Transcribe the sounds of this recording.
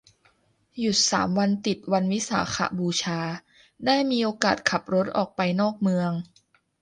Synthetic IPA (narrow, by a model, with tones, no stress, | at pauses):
ju˨˩t̪̚sa̰ː˩˦mwa˧nt̪i˨˩t̪̚wa˧nwi˦˥sa̰ː˩˦xʰa̰˧˩buː˧t͡ɕʰaː˧ | naː˥˩miː˧ʔoː˧kaː˨˩t̪̚kʰa˨˩p̚ɾo˦˥t̪̚ʔɔ̰ː˨˩k̚pa˧jnɔː˥˩k̚mɯ˧əŋ